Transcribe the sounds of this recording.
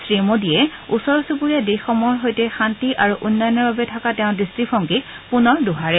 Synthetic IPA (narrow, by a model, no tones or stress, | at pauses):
sɹimodijɛusɔɹɔsupuɹijadexɔmɔɹɦojtɛxantiʔaɹuʔunːɔjɔnɔɹbabɛtʰakatɛʊ̃distɹipʰɔŋkik | punɔɹduɦaɹɛ